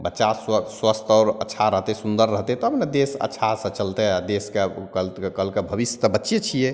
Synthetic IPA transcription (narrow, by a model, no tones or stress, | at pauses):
bətːʃasswəst̪ʰɔɾə̰tːʃʰaɾəɦt̪ɛsund̪əɾːəɦt̪ɛt̪ɔɦəpned̪esə̰tːʃʰasə̃t͡ʃəlt̪ɛad̪eskekəlkəlkebʱəbisjət̪əbətːʃet͡ʃʰije